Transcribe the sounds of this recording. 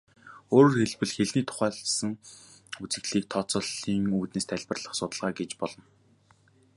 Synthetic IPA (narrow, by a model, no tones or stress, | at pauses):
oːɾoːrxeɮpɘ̆ɮxeɮniːt̪ʰʊ̥χæːɮsə̆ŋ | ut͡sɘ̆ɮiːk̚t̪ʰɔt͡sɞ̆ɮiːŋuːt̪neːst̪ʰæɮʲpə̆rɮə̆χsʊt̪ə̆ɮʁaːɡet͡ɕpɔɮɞ̆n